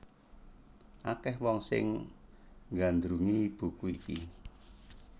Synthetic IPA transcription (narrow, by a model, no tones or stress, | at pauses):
ʔakɛhwɔŋsɪ̰ŋ | ŋɡand̪ɾuŋib̥ṳkuiki